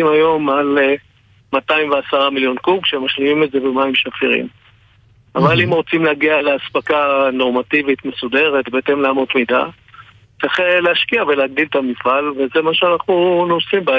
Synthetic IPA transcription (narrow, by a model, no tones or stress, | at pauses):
imajo̞male | mataimveasaʁamiljo̞nkuɡʃe̞maʃlimimetze̞bemaimʃafiʁḭm | avalimʁot͡simleaɡialeaspakano̞ʁmativit̪me̞sude̞ʁetbeete̞mleamo̞t̪mida̰ | t͡seχeleaʃkiaveleːɡ̚d̪ilt̪amifalve̞zemaʃeanaχnunosimba